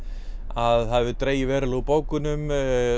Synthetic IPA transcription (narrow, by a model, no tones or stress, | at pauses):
aðhaðvɪt̪ɾeːjɪvɛːɾɪlupoːwkʏnʏm